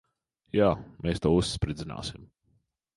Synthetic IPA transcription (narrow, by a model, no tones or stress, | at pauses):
jaːmeːst̪uɔːusːpɾid̪zina̰ːsim